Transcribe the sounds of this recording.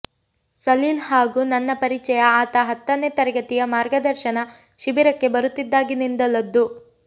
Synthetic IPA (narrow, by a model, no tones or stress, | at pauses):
sɐliːlɦaːɡunɐnːɐpɐɾit͡ʃɛjɐaːt̪ɐɦɐt̪ːɐneːt̪ɐɾɐɡɐt̪ijɐmaːɾɡɐd̪ɐɾʃɐnɐ | ʃibiɾɐkːe̞bɐɾut̪ːid̪ːaːɡinind̪ɐlːɐd̪ːu